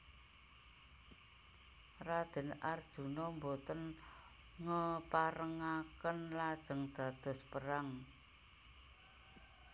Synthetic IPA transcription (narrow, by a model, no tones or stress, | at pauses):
rḁd̪̥ə̤nard̥ʒ̥ṳnɔmbot̪ən | ŋəpaɾəŋakənlad̥ʒ̥ə̤ŋd̪̥a̤d̪̥ɔ̤spəɾaŋ